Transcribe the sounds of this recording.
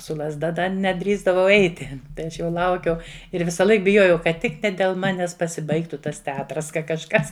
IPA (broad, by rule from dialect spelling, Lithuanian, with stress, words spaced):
sʊ lˠɐzˈdɐ ˈdɐ nʲɛˈdʲrʲiːzdɐʋɐʊ ˈɛɪtʲɪ tɐɪ ˈɐʃ jɛʊ ˈlˠɐʊkʲɛʊ ɪr ʋʲɪsɐˈlˠɐɪk bʲɪˈjoːjɛʊ kɐt ˈtʲɪk nʲɛ dʲɛlˠ ˈmɑːnʲɛs pɐsʲɪˈbɐɪktʊ ˈtɐs tʲɛˈɑːtrɐs ˈkɐ kɐʃˈkɐs